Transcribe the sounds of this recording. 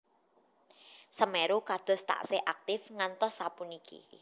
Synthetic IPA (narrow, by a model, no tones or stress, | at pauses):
səmɛɾukad̪̥ɔ̤st̪a̰ʔseʔak̚t̪ɪfŋant̪ɔsːapunikʰḭ